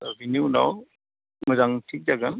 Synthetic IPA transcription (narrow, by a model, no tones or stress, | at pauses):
binunaw | mɯzaŋtʰik̚d͡ʒaɡan